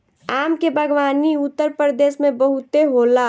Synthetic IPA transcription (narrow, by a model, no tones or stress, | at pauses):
aːmkebʱəɡʋaːniʊt̪ːəɾpɾəd̪eːʃmẽbəɦut̪eɦoːla